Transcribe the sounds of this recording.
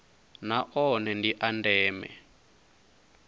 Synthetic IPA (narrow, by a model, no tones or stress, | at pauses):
naʔɔnɛndiʔandɛːmɛ̰